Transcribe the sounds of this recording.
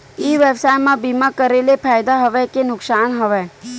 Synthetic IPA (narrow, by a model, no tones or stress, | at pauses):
iːʋebsaːjmãbimãkəɾelepʰaːjd̪aɦəʋɛkenʊksaːnɦəʋɛ